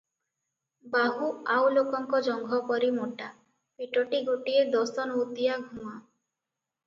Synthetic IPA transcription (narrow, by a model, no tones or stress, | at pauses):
baɦuawlokɔŋkɔd͡ʒɔŋɡʱɔpɔɾimoʈa | piʈɔʈiɡoʈied̪ɔsɔnɔut̪ijaɡʱuma